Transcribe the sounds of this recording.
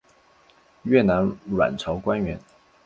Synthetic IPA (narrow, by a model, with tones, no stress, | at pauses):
ɥɛ˥˩na˧˥nlwa̰˨˩nʈ͡ʂʰɑ˧˥ʊkwa˥nɥɛ˧˥n